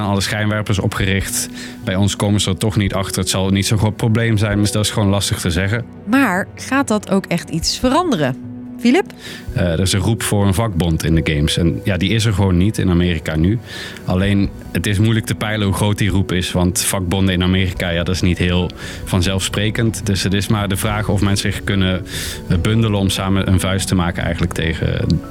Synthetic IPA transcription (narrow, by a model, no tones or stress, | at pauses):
anɑlˠəsχɛjnʋɛɹpəɹsɔ̰pχərɪχt | bɛjɔnskowməsəlˠtɔχnitɑχtəɹətsɑlˠnitsoχrowt̚prowblejmzɛjnmsdɑtɪsχəʋoːnlɑstəχtəzɛɣə | maːɹχaːt̚dɑtowkɛχtitsfərɑndərə | filɪp | ədəɹɪsə̃nrupfʊːɹənvɑɡ̚bɔntɪndəɡejmsɛnjaːdiɪs̬əɹχəʋownːitʰɪ̰namɪːrikany | ʔɑlejn | ətɪs̬mujlək̚təpɛjləɦuχrowt̚dirupɪsʋɑntfɑɡ̚bɔndəɪnamɪːrikaːjaːdɑtɪsnitɦɪːlˠ | v̥ɑnzɛlˠfsprejkəntdɵsɦətɪsmaːɹdəvraːχɔfmɛnsəkɵnə | bɵndələɔmsaːməʔə̰nvœɥstəmaːkənɛ̰jχənlək̚tʰḛjχə̰